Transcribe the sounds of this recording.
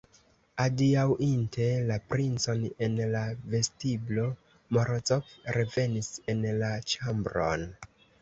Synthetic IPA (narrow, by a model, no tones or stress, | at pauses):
adiawʔintʰe̞lapɾint͡so̞ne̞nlave̞stiblo̞ | moɾot͡sopɾe̞ve̞nise̞nlat͡ʃambɾo̞̰n